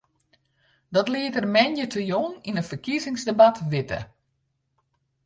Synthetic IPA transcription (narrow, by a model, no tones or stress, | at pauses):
dɔtlɪətərmɛnjətʰəjoŋinətfərkizɪŋsdebatʋɪtə̰